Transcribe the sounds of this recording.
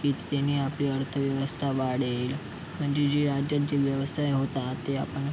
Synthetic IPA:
iːt̪ːanːiːapliːəɾt̪ʰəʋjəʋəst̪ʰaʋaɽel | m̤əɳd͡ʑed͡ʑeɾad͡ʑjat̪̚d͡ʑeʋjəʋsajɦot̪at̪ea̰pəɳ

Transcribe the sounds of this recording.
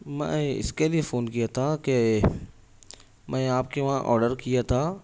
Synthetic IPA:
mɛ̰̃ɪ̰skeliefoːnkijat̪ʰake | mɛ̃aːpkeʋãʔɔ̰ːɾɖəɾkijat̪ʰaː

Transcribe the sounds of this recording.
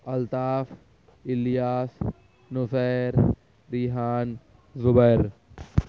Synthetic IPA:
ɐlt̪aːf | ɪlijaːs | nʊseːɾ | ɾiɦaːn | zʊbəɾ

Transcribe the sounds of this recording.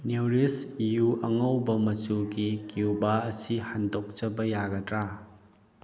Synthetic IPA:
newɾisjuʔɐŋɐwbɐmɐt͡ʃuɡikiubaɐsihandok̚t͡ʃɐbɐjaɡɐtɾa

